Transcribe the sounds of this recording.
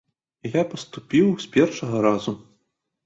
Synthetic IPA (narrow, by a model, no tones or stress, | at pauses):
japɐst̪upʲiwsʲpʲɛrʂɐɣɐɾazu